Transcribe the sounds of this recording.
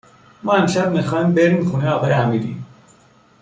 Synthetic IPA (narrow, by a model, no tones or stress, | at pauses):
mɒːenʃæb̚mixɒːhimbeɾimxuniɒːɣɒːjeæmid̪ḭ